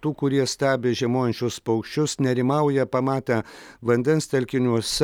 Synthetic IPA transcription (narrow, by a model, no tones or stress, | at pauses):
t̪uːkʊɾʲiɛsʲt̪ʲæːbʲeːʒʲiɛmoːjɛnʲt͡ʃʲʊspɐʊkʃʲt͡ʃʲʊsnʲɛɾʲɪmɐʊjɛpɐmɑːt̪ʲɛʋɐnʲd̪ʲɛnst̪ʲɛlʲkʲɪnʲuɔsʲɛ